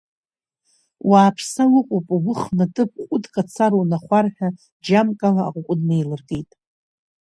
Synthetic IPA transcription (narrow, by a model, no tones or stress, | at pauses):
waːpʰsawɨqʷʼopʼaɡʷʊχnatʼɨp̚ʰʼqʷʼʊdkʼat͡sʰaɾownaχʷarħᶣa | d͡ʒamkʼala̰ːqʷʼʊqʷʼʊdnejlɨrɡʼejtʼ